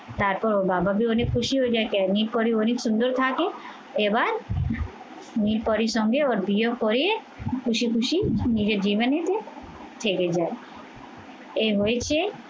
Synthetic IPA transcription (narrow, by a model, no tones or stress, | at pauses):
t̪aɾpɔɾobababionekʰuʃiɦoed͡ʒaekɛniɾpɔɾioniksund̪oɾt̪ʰake | ebaɾ | niɾpɔɾiʃɔŋɡeoɾbijoɡkoɾie | kʰuʃikʰuʃinid͡ʑeɾd͡ʑibanet̪e | t̪ʰeked͡ʒae | eɦoet͡ɕʰe